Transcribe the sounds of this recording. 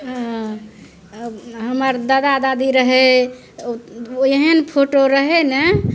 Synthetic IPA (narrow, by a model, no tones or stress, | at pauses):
ɦã | ɦəməɾd̪əd̪ad̪ad̪iɾəɦe | eɦənpʰoʈoɾəɦene